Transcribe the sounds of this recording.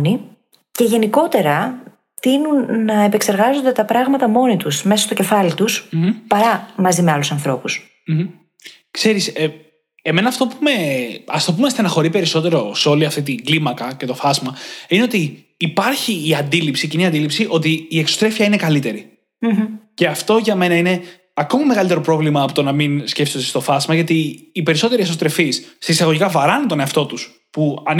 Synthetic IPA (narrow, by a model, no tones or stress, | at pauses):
ni | ce̞ʝe̞niko̞t̪e̞ɾɐ | t̪inunːɐepe̞kse̞ɾɣɐzo̞nd̪e̞t̪ɐpɾɐɣmɐt̪ɐmo̞nit̪usme̞sɐ̥st̪o̞ce̞fɐlit̪uspɐɾɐmɐzime̞ɐlusɐnθɾo̞pus | m̩ | kse̞ɾise | eme̞nɐːft̪o̞pume̞ɐst̪opumest̪enɐxo̞ɾipe̞ɾiso̞t̪e̞ɾo̞seo̞liɐft̪it̪iŋɡlimɐkɐce̞t̪o̞fɐzmɐine̞o̞t̪iː | pɐɾçiːɐnd̪ilipsiːciniɐnd̪ilipsiʔo̞t̪̬iːeksost̪ɾe̞fiɐine̞kɐlit̪e̞ɾi | ce̞ɐft̪o̞ʝɐme̞nɐine̞ | ɐko̞mɐme̞ɣɐlit̪eɾo̞pɾo̞vlimɐːpot̪onɐminsce̞fsot̪ist̪o̞fɐzmɐʝɐt̪iːpe̞ɾiso̞t̪e̞ɾieso̞st̪ɾe̞fisːeisɐɣo̞ʝikɐvɐɾɐnit̪o̞ne̞ɐft̪o̞t̪us | puɐn